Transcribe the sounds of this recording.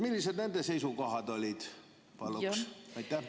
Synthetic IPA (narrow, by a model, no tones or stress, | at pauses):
milʲːised̪nænd̪eseisukohɑd̪olʲid̪̥ | pɑlːuksɑit̪ːˑæ